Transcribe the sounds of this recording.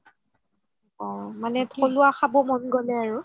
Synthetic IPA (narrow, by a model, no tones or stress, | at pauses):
ɔmanɛtʰɔlʊaxabɔmɔnɡɔlɛaɹu